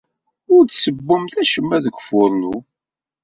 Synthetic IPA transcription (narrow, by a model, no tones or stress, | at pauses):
ʊɾd̪səbːʊmθæʃəmːæðəɡʷfʊɾˤnu